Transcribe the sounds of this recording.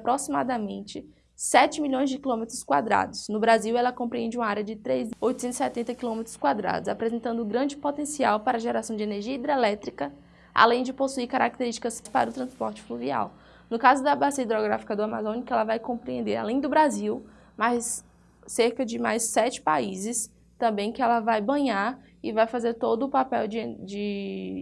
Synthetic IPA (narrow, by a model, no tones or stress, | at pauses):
apɾosimad̪ɐmẽnt͡ʃɪ | sɛt͡ʃɪmiʎõj̃zd͡ʒɪkilõmet̪ɾʊskwad̪ɾa̰d̪ʊsnʊbɾaziwɛlɐkõmpɾiẽnd͡ʒɪũmɐ̃aɾjɐd͡ʒɪt̪ɾezojt̪ʊ̥sẽnt̪z̥isɛt̪ẽnt̪ɐkilõmet̪ɾʊ̥skwad̪ɾa̰d̪ʊza̰pɾezẽnt̪ɐ̃d̪ʊɡɾɐ̃nd͡ʒɪpot̪ẽsiawpaɾɐʒɛɾasɐ̃w̃d͡ʒɪeneɾʒiɐid̪ɾoelɛt̪ɾikɐ | ʔa̰lẽj̃d͡ʒɪposuiɾkaɾak̚t̪eɾiʃt͡ʃi̥kɐsspa̰ɾɐʊt̪ɾɐ̃spɔɾt͡ʃɪ̥fluvia̰w | nʊkazʊd̪ɐbasɐid̪ɾɔɡɾafi̥kɐd̪ʊamazõnʊkɛlɐvajkõmpɾiẽnd̪eɾa̰lẽj̃d̪ʊbɾaziw | majsː | eɾkɐd͡ʒɪmajsːɛt͡ʃɪ̥pa̰izɪs | t̪ɐ̃mbẽj̃kɪɛlɐvajbɐ̃ɲaɾ | ɪvajfazeɾt̪od̪ʊːpapɛwd͡ʒɪd͡ʒɪ